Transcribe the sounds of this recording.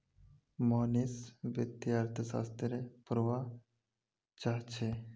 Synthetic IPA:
monisbəd̪iaɾt̪ʰəsa̰st̪ɾepuɾʋa | t͡ʃaɦt͡ʃʰe

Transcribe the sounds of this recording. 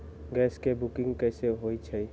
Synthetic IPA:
ɡɛːskebukɪ̃ŋɡkɛɪseɦoit͡ʃʰə

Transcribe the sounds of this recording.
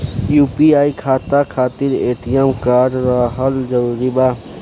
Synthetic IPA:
juːpiaːikʰaːt̪akʰaːt̪iɾeːt̪ijamkaːɾɾaɦəld͡ʒɐuɾiba

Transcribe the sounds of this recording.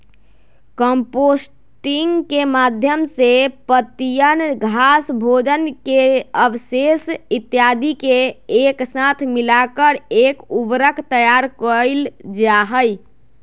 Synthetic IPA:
kəmpos | ʈiŋɡkemad̪ʱjəmsepət̪ijənɡʱasbʱod͡ʒənkeəbsesit̪jad̪ʱikeeksat̪ʰmilakəɾekubɾəkʰt̪əjaɾkəjld͡ʒaɦəj

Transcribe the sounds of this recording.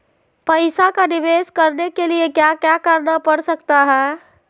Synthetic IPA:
pəɪsakanibeskəɾnekeliekjakjakaɾnapəɾsəkt̪aɦə

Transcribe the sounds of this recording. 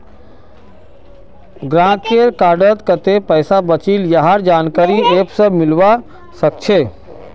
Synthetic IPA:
ɡɾãkeɾkaɾɖət̪kət̪epəjsabət͡ʃiljəɦaɾd͡ʒaːnkaɾiepsəbmɪlʋa | sək̚t͡ʃʰe

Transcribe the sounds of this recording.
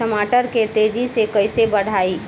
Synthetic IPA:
əmaːʈəɾket̪eːd͡ʒisekɐɪsebəɽ̤aːiː

